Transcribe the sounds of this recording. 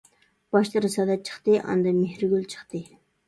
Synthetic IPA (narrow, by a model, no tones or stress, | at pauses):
b̥ɑʃlˠɨɾɨsɑːd̪ɑt͡ʃʰə̥χt̪ɨʔɑ̰nd̪ɑmehɾyɡʲylt͡ʃʰə̥χt̪ɨ